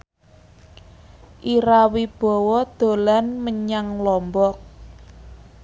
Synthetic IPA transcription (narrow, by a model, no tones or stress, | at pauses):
ʔiɾawib̥ɔ̤wɔd̪̥o̤lanməɲaŋlɔmbɔk̚